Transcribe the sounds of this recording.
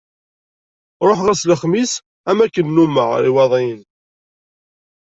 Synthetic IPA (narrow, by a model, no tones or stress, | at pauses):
ɾˤoħʁæsləχmis | æmækːənːuməʁiwɑðˤin